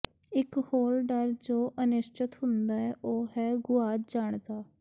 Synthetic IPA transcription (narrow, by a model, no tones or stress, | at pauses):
ɪkhoːɾɖəɾd͡ʒoːʔənɪʃt͡ʃɪt̪ɦʊnd̪aːɛːʔoːɦɛːɡʊaːtd͡ʒaːɳd̪aː